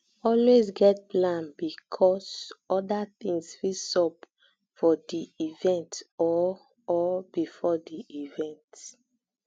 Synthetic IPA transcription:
ɔlwezɡɛt̚plãnbikʰɔsɔdatĩŋsfisɔb | fɔdiivɛ̃ntɔː | bifɔdiʔivɛ̃nt

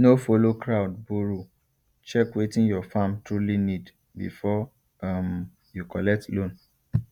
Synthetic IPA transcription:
nofolokɾaʊdbuɾu | t͡ʃɛkwetĩnjɔfãmtɹulinid | bḭfɔ | am | jukɔlɛk̚tlõn

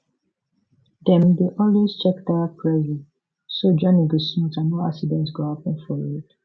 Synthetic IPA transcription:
dɛ̃mdeʔɔlwest͡ʃɛkdaapʰɹɛzɛ̃n | sod͡ʒɔ̃niɡosmɔ̃tanoaksidɛ̃ntsɡohapə̃nfɔɹid

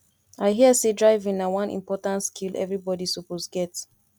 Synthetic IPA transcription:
aɪɦiəsedɹaɪvĩŋnawʌ̃nḭ̃mpɔtãntskʰilʔɛ̰vɹibɔdisoposɡɛt

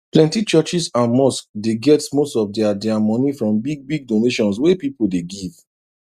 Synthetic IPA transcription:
plɛ̃ntit͡ʃɜt͡ʃisãnmɔskdeɡɛtmostɔfdɛadɛamɔnifɹɔ̃mbiɡ̚biɡ̚doneʃɔ̃ns̬wepipodeɡiv

